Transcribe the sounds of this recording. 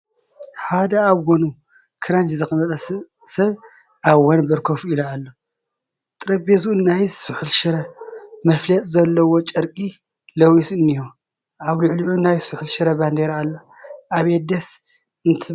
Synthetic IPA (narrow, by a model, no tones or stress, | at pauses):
ħad̪ɐaβɡonu | kʰɨɾɐnt̪zɨkɨmɐt̪ʼɐ | sɐβ | ʔaβːɐnbɐɾkʰofuilɐalːo | t̪ʼɨɾɐbezunajsuħɨlʃɨɾɐmɐflɐt̪ʼzɐlːɐwot͡ʃʼɐɾkʼi | lɐwisɨnːijo | ʔaβluʕliʕunajsuħɨlʃɨɾɐband̪eɾalːo | ʔaβed̪ɐs | ɨnt̪ʰɨ